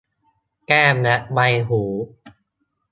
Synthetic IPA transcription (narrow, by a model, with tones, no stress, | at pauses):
kɛː˥˩mna˦˥ʔba˧jɦuː˩˦